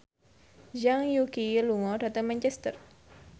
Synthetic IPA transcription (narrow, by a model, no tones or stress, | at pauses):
ʒaŋjukiluŋɔɖat̪əmãnt͡ʃɛst̪ər